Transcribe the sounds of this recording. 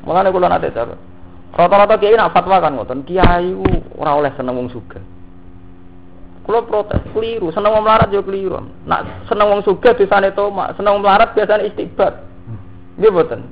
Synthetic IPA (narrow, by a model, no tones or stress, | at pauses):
mʔṵlanekulɔna̰t̪ḛʔt͡ʃabə̰ | rɔt̪ɔɾɔt̪ɔkiainaʔfat̪wakanŋɔ̰t̪ɔnkijaiuo̰ɾaolɛhsənəŋwɔŋsuɡ̥a̤h | kulɔpɾot̪ɛ̰skəliɾusənəŋwɔŋməlaɾat̪̚d͡ʒokəliɾua̰m | na̰ʔsənəŋwɔŋsuɡ̥a̤d̪̥esanet̪oma̰ʔsənəŋmlaɾat̪̚b̥iasaneist̪ib̥a̤t̪̚ | ɡebət̪ən